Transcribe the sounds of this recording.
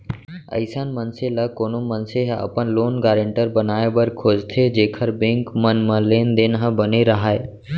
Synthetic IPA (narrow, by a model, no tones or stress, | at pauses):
ə̰ɪsaːnmənseləkoːnomənseɦə̰pənloːnɡaːɾə̃ɳʈəɾbənaːebəɾkʰoːd͡ʒt̪ʰed͡ʒeːkʰəɾbẽŋkmənmə̃leːnd̪enɦə̃bəneɾəɦaːeː